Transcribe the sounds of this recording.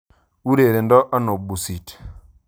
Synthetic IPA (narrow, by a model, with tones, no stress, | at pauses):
u˦ɾe˨ɾe˨ndɔ˦ʔa˦no˨bu˨si˨t